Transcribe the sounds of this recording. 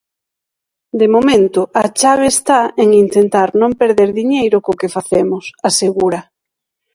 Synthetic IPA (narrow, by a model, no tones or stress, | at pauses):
d̪emomẽnt̪ʊat͡ʃaβ̞eːst̪aeŋint̪ent̪aɾnõmpeɾðeɾðiɲejɾʊkʊkefaθemʊsaseɣuɾɐ